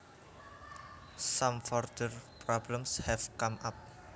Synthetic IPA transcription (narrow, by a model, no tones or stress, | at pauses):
samfɔrd̪̥ərpɾɔbləmshɛvkamap̚